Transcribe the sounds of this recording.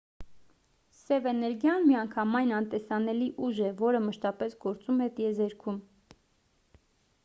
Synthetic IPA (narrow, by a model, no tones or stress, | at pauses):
sɛvɛnɛɾɡjɑnmiɑŋkʰɑmɑjnɑnt̪ɛsɑnɛliʔuʒɛvɔɾəməʃt̪ɑpɛsɡɔɾt͡sumɛt̪ijɛzɛɾkʰum